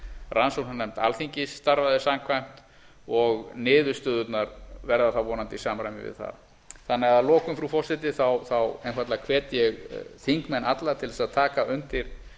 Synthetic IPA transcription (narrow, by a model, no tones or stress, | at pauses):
rʔansowlhanɛm̥t̪a̰lθiɲcɪsːt̪aɾvaðɪsamkʰvajm̥t̪ | ɔɣnɪːðʏst̪ʏːðʏt̪naɾvɛɾðaθawvɔːnant̪isaːmɾajmɪ̰vɪ̰ðθa̰ð | θanːɛɣaðlɔːkʏmfɾufɔr̥sɪt̪ɪθawθawɛjnfat̪lakʰvɛːt̪jɛɣθiŋkmɛnːat̪lat̪ʰɪlðɛsaðt̪ʰaːkaʏnt̪ɪɾ̥